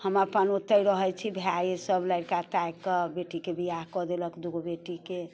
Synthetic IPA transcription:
həməpənot̪əjɾəɦət͡ʃʰibʱjajesəbləɪɽkat̪ajkɔbeʈikebʱiakɔd̪eləkd̪uɡobeʈike

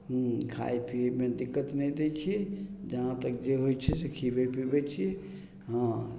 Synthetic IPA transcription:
ɦkʰa̰jpʰimed̪ikːət̪nɛjd̪et͡ʃʰid͡ʒəɦãt̪ək̚d͡ʒeɦojt͡ʃʰɛsekʰibepibɛt͡ʃʰi | ɦã

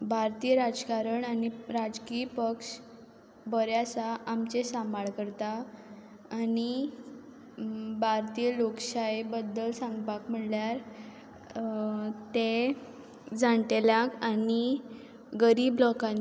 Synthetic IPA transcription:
bʱaɾt̪iːjəɾad͡zkaɾəɳaniɾad͡zkiːpəkʂ | bəɾjasaamt͡ɕesamaɭkəɾt̪aː | ni | bʱaɾt̪iːjlokɕaebəd̪ːəlsãŋɡbakm̤əɳljaɾ | t̪e | d͡zaɳʈeljakani | ɡəɾiːblɔkã

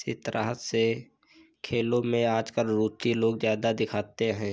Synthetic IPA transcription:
it̪əɾʔa̰ːɦət̪se | kʰeːlõmẽaːd͡ʒkəlɾuːt͡ʃiloːɡzjaːd̪ad̪ɪkʰaːt̪eɦɛ̃ː

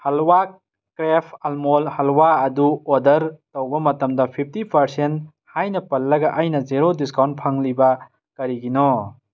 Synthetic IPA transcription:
hɐlwa | kɾepʰɐlmolhɐlwaɐduodɐɾtɐwbɐmɐtɐmdɐpʰip̚ʰtipʰɐɾsent | hajnɐpɐlːɐɡɐʔɐjnɐzeɾodiskawnt̚pʰɐŋlibɐ | kɐɾiɡinɔ

